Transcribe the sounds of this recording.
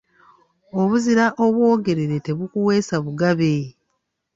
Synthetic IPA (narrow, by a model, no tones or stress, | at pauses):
o̞βuziɾaʔoβwo̞ːɡe̞ɾeɾe̞te̞βukuwe̞ːsaβuɡaβe